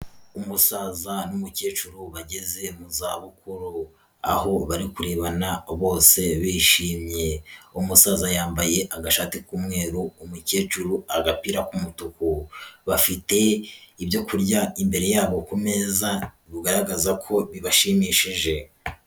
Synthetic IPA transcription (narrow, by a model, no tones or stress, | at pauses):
umusaːzanumuce̞ːt͡ʃuɾuβaɟeze̞muzaːβukuɾu | a̰ho̞βaɾikuɾeβanaβo̞ːse̞βiːʃiːmɲe̞umusaːzajaːmbaje̞ʔaɡaʃaːtikuːmŋe̞ːɾuːmuce̞ːt͡ʃuɾuaɡapiːɾakumutukuβafite̞iβjo̞kuɾɟaimbe̞ɾe̞jaːβo̞kume̞za | βuɡaɾaɡazakʰo̞βiβaʃiːmiʃiʒe̞